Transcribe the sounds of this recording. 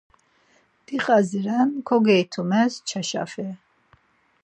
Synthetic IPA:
d̪̥iqʼaziɾankʰɔɡɛjt̪ʰumɛst͡ʃʰaʃa̰fɛ

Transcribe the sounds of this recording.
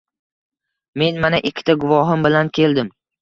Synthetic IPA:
me̞nmanaʔɪkʲʰːɪ̥t̪ʰaɡʊvɒɦɪmbɪlankʲʰe̞ld̪ɪm

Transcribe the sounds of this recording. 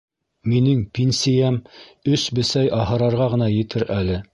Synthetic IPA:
minɘŋpʲinsʲijæmɵsbɘ̆sæjʔɑhɤ̆ɾɑɾʁɑʁɤ̆nɑjɘ̆t̪ʰɘɾʔælɘ

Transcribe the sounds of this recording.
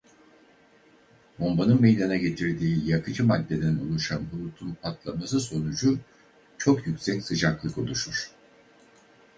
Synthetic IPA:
bo̞mbanɯnme̞jd̪anaɟe̞t̪ʰiɾd̪iːjakʰɯd͡ʒɯmad̪ːe̞d̪æno̞̰lˠuʃanbulˠut̪ʰunat̪lˠamasɯso̞nud͡ʒu | t͡ʃʰo̞kjycʲsɛcsɯd͡ʒaklˠɯko̞̰lˠuʃuɾ̥

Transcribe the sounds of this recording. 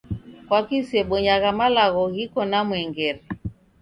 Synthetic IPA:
kwakisɛɓɔɲaɣamalaɣɔɣikɔnamwɛŋɡɛɾɛ

